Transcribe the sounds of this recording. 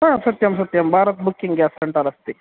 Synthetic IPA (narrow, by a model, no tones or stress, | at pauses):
ɦɐ̃ːsɐt̪jɐmsɐt̪jɐmbʱaːɾɐt̪̚bukːiŋɡaːsɐɳʈɐlɐst̪i